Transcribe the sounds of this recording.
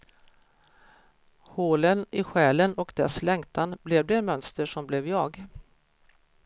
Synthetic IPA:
hoːlənɪɧɛːlənɔkd̪ɛslɛŋt̪ʰanblɛvd̪ɛnmœnst̪əʂɔmblɛvjɑːɡ

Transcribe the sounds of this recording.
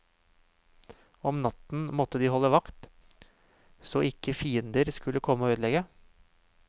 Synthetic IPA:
ɔmnɑt̪n̩mɔt̪ːəd̪iːhɔlːəʋɑkt̪ | soːɪkʰəfiːənd̪əɾskʉləkʰɔmːəoːøːd̪lɛɡə

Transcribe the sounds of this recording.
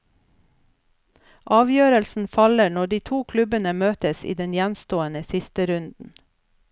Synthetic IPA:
ʔɑːʋjøːɾəlsn̩fɑləɳɔɖiːt̪ʰuːkʰlʉbənəmøːt̪əsḭːd̪ɛnjænst̪oːənəsɪst̪əɾʉnd̪n̩

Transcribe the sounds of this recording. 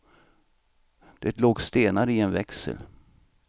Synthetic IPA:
d̪̥ɛt̪loːɡst̪eːnaɾəɪɛnvɛksə̰l

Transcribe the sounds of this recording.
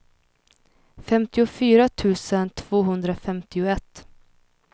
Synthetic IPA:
fɛmt̪ɪʊfyːɾat̪ʰʉ̟ːsənt̪ʰv̥oːɦɵnd̪ɾafɛmt̪ɪʊɛt̪ː

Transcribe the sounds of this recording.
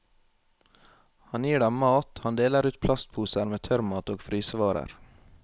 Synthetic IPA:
hɑnjiːɖɛmmɑːt̪hɑnd̪eːləɾʉːt̪̚pʰlɑst̪̚pʰuːsəɾmeːt̪ʰœɾmɑːt̪oːɡfɾyːsəʋɑːɾə̰ɾ

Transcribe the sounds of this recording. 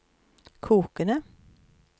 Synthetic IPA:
kʰuːkənə

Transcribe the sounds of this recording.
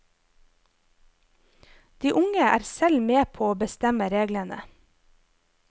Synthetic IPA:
d̪̥iːʔʊŋəæ̰ːɾsɛlmeːpʰoːoːbəst̪ɛməɾeːɡlənə̰

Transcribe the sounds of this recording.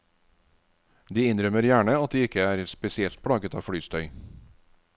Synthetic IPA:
d̪iːɪnɾœməɾjæːɳəɑt̪̚d̪iːɪkəæːɾspɛsɪɛlt̪̚pʰɽɑːɡət̪ɑ̰ːfɽyːst̪ʰœʏ

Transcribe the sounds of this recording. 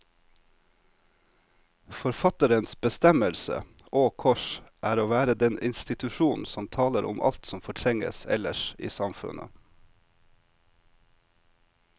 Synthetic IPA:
fɔɾfɑt̪əɾənsbəst̪ɛməlsə̰ | oːkʰɔʃʔæːɾoːʋæːɾəd̪ɛnʔɪ̰nst̪ɪt̪ʉʃuːnn̩sɔmt̪ʰɑːləɾʔʊ̰mʔɑ̰lt̪sɔmfɔʈʰɾɛŋə̰sɛ̰ləʃḭːsɑmfʉ̰nə̰

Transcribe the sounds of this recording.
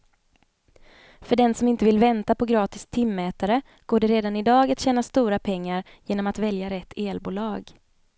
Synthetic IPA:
fœɖɛnsɔmɪnt̪əvɪlvɛnt̪apɔɡɾɑːt̪ɪst̪ʰːɪmːɛːt̪aɾə | ɡ̥oːɖɛɾeːd̪anɪd̪ɑːɡat̪ɕɛːnast̪uːɾapʰɛŋːaɾ | jeːnɔmat̪vɛljaɾɛt̪ʰːeːlbuːlɑːɡ

